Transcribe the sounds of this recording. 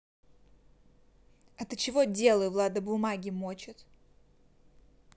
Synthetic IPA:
ɛt̪ɨt͡ɕɪvodʲelˠəjʊvlˠad̪əbʊmaɡʲɪmot͡ɕɪt̪

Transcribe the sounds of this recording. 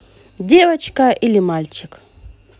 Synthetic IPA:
dʲeʋɐt͡ʃkɐʔilʲimalʲt͡ʃɪk

